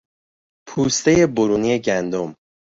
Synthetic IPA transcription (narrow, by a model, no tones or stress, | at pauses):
pʰuːst̪e̞je̞boɾuːnie̞ɟænd̪o̞m